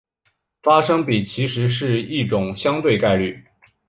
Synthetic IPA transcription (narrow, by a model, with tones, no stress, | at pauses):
fa˥ʂɤ˥ŋpi˨˩t͡ɕʰi˧˥ʂɻ̩˧˥ʂɻ̩˥˧i˥˩ʈ͡ʂʊ˨˩ŋɕjɑ˥ŋt̪we˥˧ɪka˥˧ɪly˥˩